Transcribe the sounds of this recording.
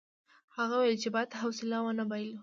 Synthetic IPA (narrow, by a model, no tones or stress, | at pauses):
haɣawajlt͡ʃebajd̪ɦawsɪlawanabɑjl